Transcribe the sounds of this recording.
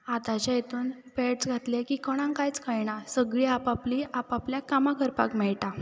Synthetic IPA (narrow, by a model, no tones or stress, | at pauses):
at̪at͡ɕajet̪ʰuːnpeʈsɡʱat̪lekikəɽ̃ãŋkajt͡skajɳasəɡɭiːapapliʔapapljakamakʰəɾpa̰kmɛɭʈa